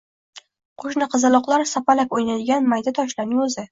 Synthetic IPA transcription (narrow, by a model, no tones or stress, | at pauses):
qʰoʃnɪqʰɨzɨlˠɒqlˠaɾsapalakʲojnad̪ɪɡʲanmajd̪at̪ʰɒʃlaɾnɪŋɵzɪ